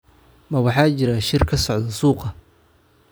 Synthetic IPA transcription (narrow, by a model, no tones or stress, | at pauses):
mɐwɑħɑːt͡ʃɪɾaʃɪrkʰɐsɔʕd̪ɐsuːqɑ